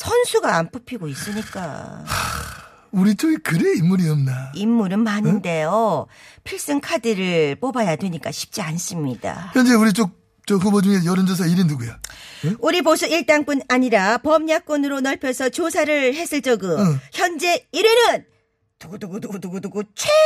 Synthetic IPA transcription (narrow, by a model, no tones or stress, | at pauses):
sʰʌnsʰuɡaːmpɯpʰiɡois͈ɯɲik͈a̰a | uɾit͡ɕoɡikɯɾeimːuɾiʌmnaimːuɾɯnmanɯnde̞jopʰiɭs͈ɯŋkʰadiɾɯɭp͈obajadwe̞ɲik͈aɕʰi̥p̚t͡ɕ͈ians͈ɯmɲid̥a̰çjʌnd͡ʑe̞uɾit͡ɕ͈ok̚ | t͡ɕʌɦɯbod͡ʑuŋejʌɾɯnd͡ʑos̬ʰaiɾɯnnuɡujauɾiposʰɯiɭt͈aŋp͈unaɲiɾapʌmɲak͈onɯɾonʌɭpʰjʌsʰʌt͡ɕosʰaɾɯɭhe̞s͈ʰɯɭt͡ɕ͈ʌɡɯçjʌnd͡ʑe̞iɾɯnɯn | tuɡoduɡoduɡoduɡoduɡot͡ɕʰe